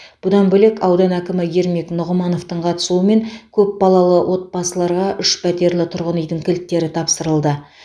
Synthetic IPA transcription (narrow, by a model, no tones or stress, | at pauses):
b̥ʊd̪ɑnbɵle̞kɑwd̪ɑnækʲɪmɪje̞ɾme̞knʊʁəmɑno̞ft̪əɴqʰɑt̪ə̥suəme̞ŋkʲʰɵp̚bɑlˠɑlˠəwʔo̞t̪̚bɑsəlˠɑɾʁɑʔʏʃpʰæt̪e̞ɾlɪt̪ʰʊɾʁənejd̪ɪŋkʲʰɪlt̪ːe̞ɾɪt̪ʰɑpsəɾəlˠd̪ə